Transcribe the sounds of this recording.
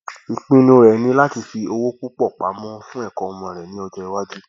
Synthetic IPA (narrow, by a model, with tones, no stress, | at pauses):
i˨k͡pĩ˦nĩ˧o˧ɾɛ˨˦nĩ˧˦la˦ti˧fi˧o˧wo˦ku˦k͡pɔ˦˨k͡pa˨˦mɔ̃˦fũ˦ɛ˦˨kɔ̃˧˨ɔ˧mɔ̃˧˨ɛ˨nĩ˨˦ɔ˧d͡ʒɛ˧i˧˦wa˦d͡ʒi˦